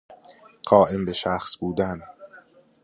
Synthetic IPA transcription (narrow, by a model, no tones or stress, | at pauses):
ɢ̥ɒːʔe̞mbe̞ʃæxsbuːd̪æn